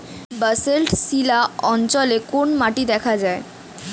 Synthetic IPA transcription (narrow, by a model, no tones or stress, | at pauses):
bəselʈsilaɔnt͡ɕɔlekonmaʈid̪ɛkʰad͡ʑae